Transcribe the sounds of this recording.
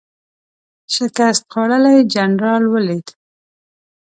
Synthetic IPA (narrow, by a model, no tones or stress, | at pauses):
ʃɪkast̪̚qɑɽalajd͡ʒanɾɑlwəlid̪